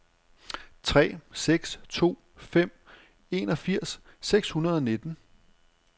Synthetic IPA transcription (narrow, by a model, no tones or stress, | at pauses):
t͡sʰʁɛ̰ːseɡ̥st͡sʰo̝̰ː | fem̰ | e̝ːnɒ̽fiɐ̰sː | eɡ̥shunɐð̞ˠɒ̽ned̥n̩